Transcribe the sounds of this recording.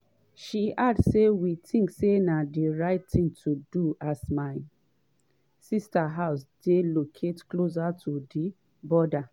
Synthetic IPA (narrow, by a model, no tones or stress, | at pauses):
ʃiʔadsewitʰĩŋksenadiɹaɪttĩŋtʰuduasmaɪ | sistaɦaʊsdelokʰetklos̬atʰudi | bɔda